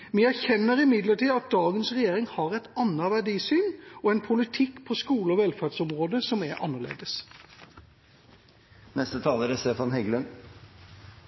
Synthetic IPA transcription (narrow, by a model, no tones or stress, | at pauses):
ʋiæɾçɛnːəɾɪmɪd̪ləʈiːɑt̪̚d̪ɑːɡənsʁɛjeːɾɪŋhɑʁɛt̪ɑnːəʋæɖiːsyːnɔɛnpʰʊlɪt̪ʰɪkːpʰɔskuːləɔʋɛlfæɖsɔmʁoːd̪əsɔmɛʔɑ̰nːəʁɭḛːd̪əs | nɛst̪ət̪ʰɑːləɾæst̪eːfɑnɦɛɡlən